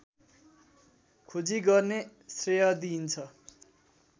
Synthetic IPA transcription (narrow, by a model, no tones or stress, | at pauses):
kʰod͡ziɡʌrnesrejʌd̪int͡sʰʌ